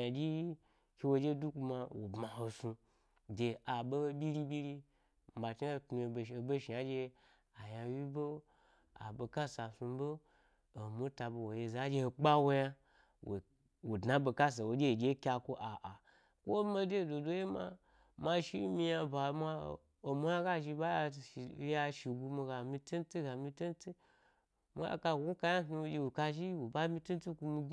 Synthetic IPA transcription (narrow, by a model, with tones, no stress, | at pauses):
a˨d͡ʒi˦ | kʲi˧wo˧d͡ʒe˦du˦ku˧ma˧wo˨bma˨ho˧su˧ | de˨a˨bo˦ho˧bʲi˦ɾi˦bʲi˦ɾi˦ | m̩˨ba˨t͡ʃi˦˧tnu˧e˧˨o˨bo˦ʃi˨ja˦d͡ʒe˧ | a˨jã˧wi˦bo˦ | a̰˨bo˧ka˦sa˨su˧bo˦ | o˨mu˦ta˧bo˧wo˨je˧za˦d͡ʒe˧ho˧k͡pa˦wo˦ja˦ | wo̰˨ | wo˨dna˦bo˧ka˦s̬a˨wo˨d͡ʒʲe˦˨d͡ʒʲe˦kʲa˧kʷo˦ʔa˨ʔa˨ | kʷo˦ma˧de˦˨do˨do˦je˦ma̰˧ | ma˧ʃi˦mi˧ja˧ba˨ma˧ | o˨mo˦ja˦ɡa˦ʒi˧ba˦ja˧˨˦ja˧ʃi˨ɡu˧mi˧ɡa˨mi˧ti˦n˦ti˦ɡa˨mi˧ti˦n˦ti˦ | m˨˦a̰˦ka˧˨u˦ka˧˦ja˦tnu˧wo˧d͡ʒʲe˧wo˨ka˧ʒi˦wo˨ba˦mi˧˦ti˦n˦ti˦ku˧mi˧˦